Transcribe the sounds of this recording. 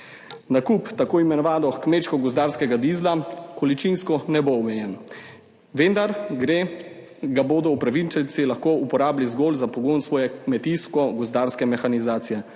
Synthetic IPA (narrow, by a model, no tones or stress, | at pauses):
nakupt̪akoːimɛnɔʋaːnɔkmeːʃkɔɡɔzd̪aːɾskɛɡad̪izlakɔlit͡ʃinskɔnɛboɔmɛjɛn | ʋend̪aɾɡɾe | ɡaboːd̪ɔwpɾaʋit͡ʃɛnt̪silaxkoːupɔɾaːblizɡoːlzapɔɡoːnsʋɔːjɛkmɛt̪iskɔɡɔzd̪aːɾskɛmɛxanizaːt̪sijɛ